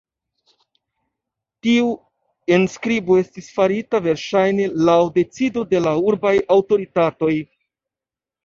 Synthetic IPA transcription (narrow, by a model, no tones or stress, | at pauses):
tiu | enskɾibo̞e̞stisfaɾitave̞ɾʃajne̞lawde̞t͡sido̞de̞lauɾbajawto̞ɾitato̞j